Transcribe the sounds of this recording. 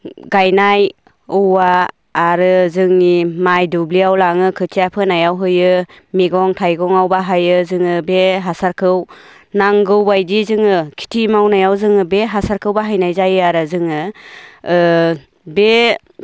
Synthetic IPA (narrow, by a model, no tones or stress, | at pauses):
ɡajnaj | ɯwaː | ɾɯzɯŋnimajdubliawlaŋɯkʰɯtʰijapʰɯnajawɦɯjɯ | miɡɔŋtʰajɡɔŋawbaɦajɯzɯŋɯbeɦasaɾkʰɯw | naŋɡɯwbajdizɯŋɯkʰi̥tʰimawnajawzɯŋɯbeɦasaɾkʰɯwbaɦajnajzajɯaɾɯzɯŋɯ | be